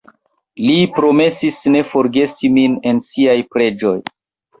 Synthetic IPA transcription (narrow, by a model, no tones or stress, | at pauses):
lipɾo̞me̞sisne̞fo̞ɾɡe̞simine̞nsiajpɾe̞d͡ʒo̞j